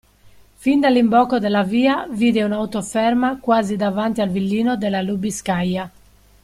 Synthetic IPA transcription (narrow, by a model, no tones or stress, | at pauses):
find̪alimbɔːkɔd̪ɛlːaviːaviːd̪ɛunaut̪ɔfɛɾmakwaːzid̪avant̪ialvilːiːnɔd̪ɛlalubiskaja